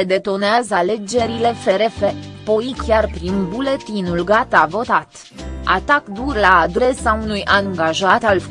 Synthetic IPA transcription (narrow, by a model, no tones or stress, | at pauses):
ed̪e̞t̪o̞neazəale̞d͡ʒe̞ɾile̞fe̞ɾe̞fe̞po̞ikʲjarpɾinbule̞t̪inulɡat̪avo̞t̪at̪ | a̰t̪akd̪urlaːd̪ɾe̞saunujʔaŋɡaʒat̪al